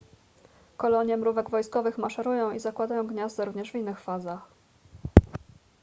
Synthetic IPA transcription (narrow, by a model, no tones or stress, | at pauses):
kɔlɔɲjɛmɾuvɛɡvɔjskɔvɘxmaʂɛɾujɔ̃w̃izakwad̪ajɔ̃w̃ɡɲazd̪ɛɾuvɲɛʐvʲinːɘxfazax